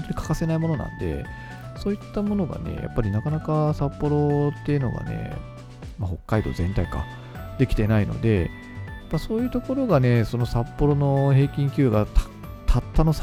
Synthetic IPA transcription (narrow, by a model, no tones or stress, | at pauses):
ont̪oɲ̟i̥kʰḁkase̞naimo̞no̞nã̰nd̪e̞̰ | so̞ːit̪ːamo̞no̞ɡa̰ne̞̰ja̰pːaɾʲinakanakasapːo̞ɾo̞t̪ːe̞jɯ̟no̞̰ɡa̰ne̞̰ | maho̞kːaid̪oːzẽ̞nt̪aika̰ | d̪e̞kʲi̥t̪e̞naino̞̰d̪e̞ | pːaso̞ːjɯ̟ːt̪oko̞ɾo̞ɡane̞so̞no̞sapːo̞ɾo̞no̞he̞ːkʲĩŋkʲɨːɡat̪ | t̪ʰat̪ːano̞s